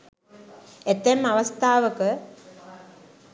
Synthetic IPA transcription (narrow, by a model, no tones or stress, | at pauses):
et̪emːaʋɐst̪aːʋəkə